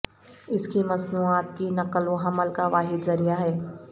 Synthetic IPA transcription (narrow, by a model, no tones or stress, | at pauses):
ɪskimɐsnuːaːt̪kinɐqəloɦɐməlkaʋaːɦɪd̪zɐɾijaɦɛː